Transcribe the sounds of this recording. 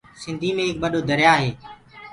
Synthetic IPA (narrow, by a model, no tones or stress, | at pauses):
sɪnd̪ʱiːmẽːɦɪk̚ɓəɗoːd̪ʱəɾjaːɦeː